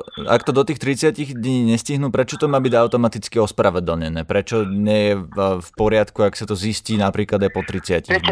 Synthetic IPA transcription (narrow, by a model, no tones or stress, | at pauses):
a̰kt̪ɔd̪ɔt̪iːxt̪ɾit͡sɪaciɣd̪ɲiːɲɛsciɦnuːpɾɛt͡ʃɔt̪ɔmaːbiɟaʊt̪ɔmat̪it͡skiɔspɾaʋɛd̪l̩ɲɛnɛːpɾɛt͡ʃɔɲɪɛjɛfpɔɾɪat̪kuaksat̪ɔzisciːnapɾiːklad̪ajpɔt̪ɾit͡sɪaciɣd̪ɲ